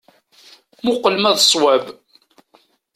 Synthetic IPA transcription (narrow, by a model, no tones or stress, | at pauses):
mʊqəlmæðsˤwæb